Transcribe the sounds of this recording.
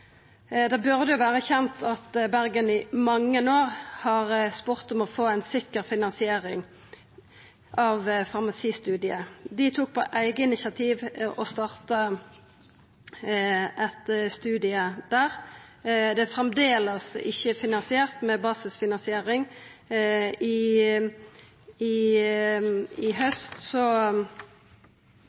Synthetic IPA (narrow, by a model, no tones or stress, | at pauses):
d̪ɛbʉʁd̪əjʊʋæːʁəçɛnt̪ʰɑt̪bæʁɡənɪmɑŋːənoːʁhɑʁspʊʁt̪ɔmɔfoːæɪnsɪkːəʁfɪnɑnsɪeːʁɪŋ | ʔɑʋfɑʁmɑsiːst̪ʉːd̪ɪəd̪ɪt̪ʰuːk̚pʰɔ̰ʔæɪɡəɪnɪçɑt̪ʰiːʋɔst̪ɑːʁt̪ə | ʔɛt̪st̪ʉːd̪ɪəd̪̥æːʁ | d̪ɛfʁɛmd̪eːləsɪçːəfɪnɑnsɪeːʁt̪mɛbɑːsɪsfɪnɑnsɪeːʁɪŋ | ɪ | ɪ | ɪɦœst̪sɔ